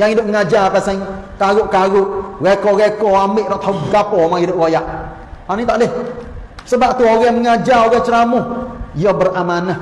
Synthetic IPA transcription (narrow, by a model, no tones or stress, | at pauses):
jaŋidʊʔŋad͡ʒapasaŋkaɣʊʔkaɣʊʔɣɛkɔɣɛkɔamɪʔɾɔŋt̪ʰauɡapɔmaŋidʊʔɣojaʔ | anit̪aʔlɪh | səbaʔt̪uoɣɛməŋad͡ʒaoɣɛt͡ʃəɾamujɔbəramanah